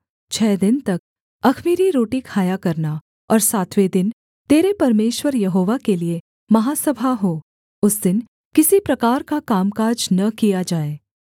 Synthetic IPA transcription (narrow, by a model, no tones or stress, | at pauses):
t͡ʃʰɛːd̪ɪnt̪ɐk̚ | ɐkʰmiːɾiɾoːʈɪkhaːjakɐɾna | ɔːɾsaːt̪ʰʋed̪ɪn | t̪eːɾepɐɾmeːʃwəɾjɐɦoːʋakelie | mɐɦaːsɐbʱaɦoː | ʊsd̪ɪn | kɪsipɾɐkaːɾkakaːmkaːd͡ʒnɐkijad͡ʒaːeː